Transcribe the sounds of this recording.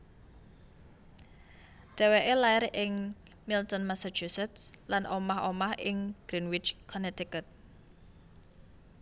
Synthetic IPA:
ɖ̥ɛ̤weʔelaiɾʔɪŋ | milt̪ɔnmasḁt͡ʃusɛt̪slanʔomaɦomahʔɪŋɡ̥ɾinwɪt͡ʃkʰɔnɛt̪ikət̪̚

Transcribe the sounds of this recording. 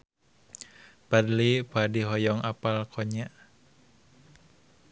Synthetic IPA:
badlipadiɦɔjɔŋapalkʰɔɲaʔ

